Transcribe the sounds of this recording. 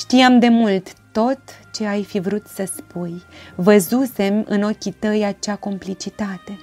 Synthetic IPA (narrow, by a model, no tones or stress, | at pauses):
ʃt̪ijamd̪e̞mult̪ːo̞t̪t͡ʃe̞ajfivɾut̪səspujvəzuse̞mɨ̰no̞kʲit̪əjat͡ʃako̞mplit͡ʃit̪at̪e̞